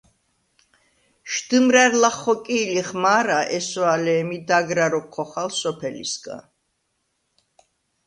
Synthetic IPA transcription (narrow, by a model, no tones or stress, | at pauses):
ʃd̪̥ɨmɾɛɾlaχːɔkʼiːliχmaːɾaʔɛsɔalɛːmid̪aɡɾaɾɔkʰːɔχalsɔpʰɛlḭsɡã̰n